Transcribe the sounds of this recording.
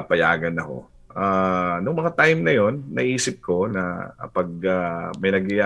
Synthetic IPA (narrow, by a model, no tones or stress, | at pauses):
pɐja̰ːɡɐnːɐho̞̰ | ʔanʊŋmɐŋat̪ajmnɐjo̞nːɐ̰ʔiːsɪp̚ko̞nɐ̰pɐɡ̚amɐjnɐɡɪa